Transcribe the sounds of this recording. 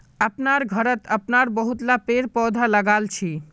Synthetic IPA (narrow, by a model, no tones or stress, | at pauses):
əpnaɾɡʱəɾət̪əpnaɾbəɦut̪lapeɾpɔd̪ʱaləɡalt͡ʃʰi